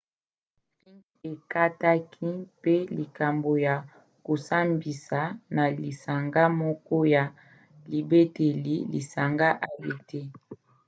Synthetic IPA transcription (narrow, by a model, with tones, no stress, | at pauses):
i˦n | e˨ka˦ta˦kʰi˦pe˦li˨ka˨mbo˨ja˨ | ko˨sa˦mbi˨sa˨na˨li˨sa˨ŋɡa˦mɔ˦kɔ˦ja˨ | li˨be˦te˨li˦lḭ˨sa˨ŋɡa˦ʔa˨je˨te˦